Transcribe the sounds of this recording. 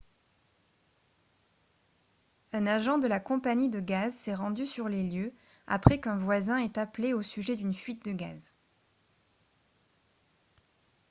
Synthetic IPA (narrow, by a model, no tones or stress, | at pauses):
ɛ̃naʒɑ̃d̪əlakɔ̃paɲid̪əɡazsɛʁɑ̃d̪ysyʁleljø | a̰pχɛkɛ̃vwazɛ̃ɛt̪apleosyʒɛd̪ynfɥit̪̚d̪əɡa̰z